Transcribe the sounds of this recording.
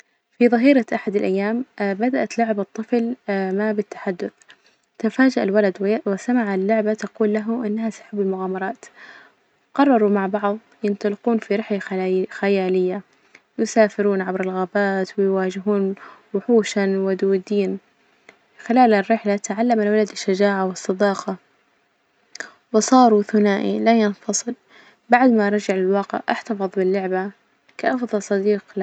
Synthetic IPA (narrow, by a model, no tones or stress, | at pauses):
fiðˤɨɦiːɾaʔaħad̪alʔajːaːmbad̪aʔat̪lʊʕɪbɑt̪ˤːɨflmabɪt̪ːḁħad̪ːʊθ | t̪ɪfaːd͡ʒaʔalwalad̪wɪsamaʕalːʊʕbat̪aquːlːaɦʊmʔɪnːaɦasʊ̥ħɪbːɪlmʊɣaːmɑɾˤɑːt̪ | qɑrˤːɑɾˤumaʕbɑʕðˤjɪnt̪ˤɑlɪquːnfiɾɪħlaxajaːlɪjːa | jɪsaːfɪɾuːnʕabɾɪlɣaːbaːt̪wɪjwaːd͡ʒɪɦuːnwʊħuːʃanwad̪uːd̪iːn | xɪlaːlarːɪħlat̪aʕalːamalwalad̪aʃːad͡ʒaːʕawɨsˤːɑd̪ɑːqɑ | wɪsˤɑːɾˤuθʊnaːʔḭlajɪnfɑsˤɨl | baʕd̪maʔɾˤɑd͡ʒaʕlɪlwɑːqɪ̰ʕʔaħt̪ɑfɨðˤbɪlːʊʕba | kaʔɑfðˤɑlsˤɑd̪iːq